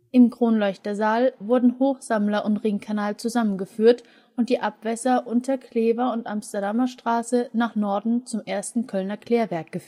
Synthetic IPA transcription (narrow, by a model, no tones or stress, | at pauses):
ʔɪmkʁ̥oːnlɔʏçtɐzaːlvʊɐdn̩hoːxz̥amlɐʔʊntʁɪŋkʰanaːlt͡suzamənɡəfyːɐt | ʊnt̚d̥iːʔapv̥ɛsɐʔʊntd̥ɐɐkʰleːvɐʊntʔamstɐdamɐʃtʁ̥aːsənaːχnɔɐdn̩t͡sʊmʔeːɐstn̩kʰœlnɐkl̥eːɐvɛɐk̚ɡ̥əf